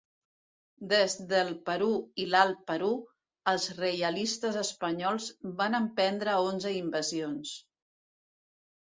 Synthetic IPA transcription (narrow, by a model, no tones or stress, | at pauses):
d̪ezd̪əlˠpəɾuilalˠpəɾu | əlˠzrejəlist̪əzəspəɲɔlˠzβanəmpɛnd̪ɾəonzəimbəzions